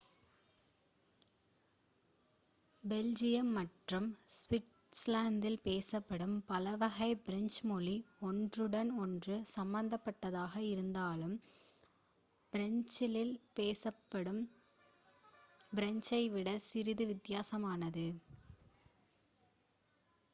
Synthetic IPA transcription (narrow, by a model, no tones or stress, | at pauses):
bɛld͡ʒɪjɐmːɐʈrɯmsʋɪʈ | slaːnd̪ɪlpeːsɐpːɐɽɯmpɐlɐʋɐɣɐɪbɪɾɐɲt͡ʃmɔliɔndrɯɽɐnɔndrɯsɐmbɐnd̪ɐpːɐʈːɐðaːɣɐɪɾɯnd̪aːlɯm | b̥ɪɾɐɲt͡ʃɪlɪlpeːsɐpːɐɽɯm | bɪɾɐɲt͡ʃɐɪʋɪɽɐsɪɾɪðɯʋɪt̪ːɪjaːsɐmaːnɐðɯ